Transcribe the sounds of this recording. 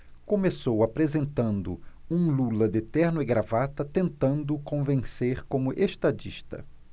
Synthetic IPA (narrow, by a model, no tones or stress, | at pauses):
kõmesowapɾezẽnt̪ɐ̃nd̪ʊũlulɐd̪et̪ɛɾnʊiɡɾavat̪ɐt̪ẽnt̪ɐ̃nd̪ʊkõvẽseɾkõmʊʔeʃt̪ad͡ʒiʃt̪ɐ̰